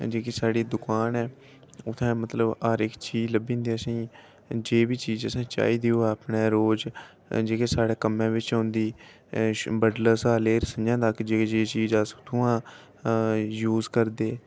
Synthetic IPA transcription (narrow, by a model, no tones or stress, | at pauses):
d͡ʒeːkeːsaːɽiːd̪ʊkaːnɛː | ʊt̪ʰːɛ̃ːmət̪ləbaɾɪkt͡ʃiːd͡ʒləbĩːnd̪eːəsĩː | d͡ʒeːʋiːt͡ʃiːzəsãːt͡ʃa̰ːiːd̪iːoːapneːɾoːd͡ʒ | d͡ʒeːkeːsaːɽeːkəmẽːʋɪt͡ʃɔ̃ːnd̪iː | bəɖləsaːleːɾəsəjãːd̪akd͡ʒeːd͡ʒeːt͡ʃiːd͡ʒast̪ʰuːãː | juːzkəɾd̪eː